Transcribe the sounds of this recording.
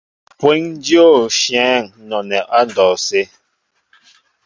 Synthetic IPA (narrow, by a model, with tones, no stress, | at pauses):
pwɛ˦ŋn˦djo˦˨ʃjɛ̃˨˦˨ŋnɔ˨nɛ˨ʔa˦n˨dɔː˨se˦